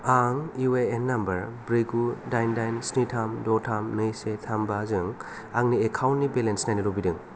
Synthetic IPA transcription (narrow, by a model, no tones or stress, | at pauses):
aŋiweenːambɐɾbɾiɡudajndajnsnitʰamdɔtʰamnɯjsetʰambazɯŋ | aŋniekʰawnnːibelensnajnɯɾobidɯŋ